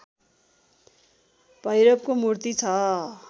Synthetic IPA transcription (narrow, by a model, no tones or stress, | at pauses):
bʱʌjɾʌb̚komurt̪it͡sʰʌ